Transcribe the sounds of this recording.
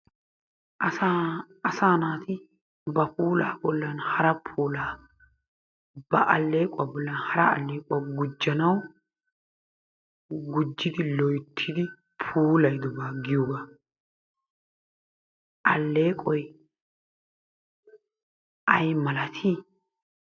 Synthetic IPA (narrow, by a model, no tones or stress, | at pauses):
ʔɐsa | ɐsaːnaːt̪ɪ | bɐpuːla̰ːbɔlːɐnhɐɾɐpʰuːlaː | b̥ɐʔɐlːeːkʼʊabɔlːɐnhɐɾɐɐlːeːkʼʊɐɡʊd͡ʒːɐnɐw | ɡʊd͡ʒːɪd̪ɪlɔjt̪ʰːɪd̪ɪ | pʰuːlɐjd̪ɔbaːɡɪjuɡa | ʔɐlːe̞ːkʼɔj | ʔɐjmɐlɐt̪ʰi